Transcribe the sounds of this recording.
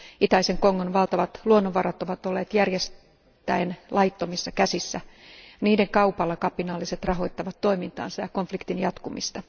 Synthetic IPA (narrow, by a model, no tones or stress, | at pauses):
it̪æise̞ŋkoŋːonʋɑlt̪ɑʋɑt̪luonːoʋɑrɑt̪o̞ʋɑt̪olːeːt̪jærjes | t̪ːæenlʔɑjt̪ːomisːɑkæsisːæniːdeŋkɑupɑlːɑkɑpinɑːlːise̞t̪rɑɦo̞jt̪ːɑʋɑt̪ːo̞imint̪ɑ̰ːnsɑjɑko̞nflikt̪injɑt̪kumḭst̪ɑ